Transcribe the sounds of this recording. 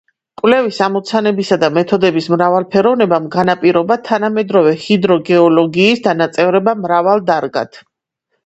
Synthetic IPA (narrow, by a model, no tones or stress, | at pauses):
kʼwvlɛvisamɔt̪sʰanɛbisad̪amɛt̪ʰɔd̪ɛbismɾavalˠpʰɛɾɔvnɛbamɡanapʼiɾɔbat̪ʰanamɛd̪ɾɔvɛhid̪ɾɔɡɛɔlɔɡiːsd̪anat̪sʼɛvɾɛbamɾavalˠd̪aɾɡa̰t̪ʰ